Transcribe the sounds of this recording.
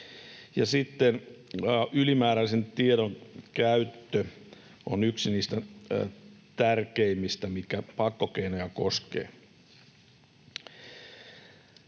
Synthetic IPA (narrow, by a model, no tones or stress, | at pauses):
jɑsit̪ːen | ylimæːɾælisent̪ieɾoŋkæyt̪ːø | o̰nyksiniːst̪æ | t̪ærkeimːist̪æmikæpɑkːokeinojɑkoskḛː